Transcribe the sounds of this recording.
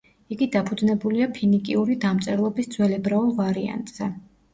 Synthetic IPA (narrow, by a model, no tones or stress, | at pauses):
iɡid̪apʰud̪znɛbuliapʰinikʼiuɾid̪amt̪sʼɛɾlˠɔbisd̪zwɛlɛbɾaulˠvaɾia̰nt̪ʼz̥ɛ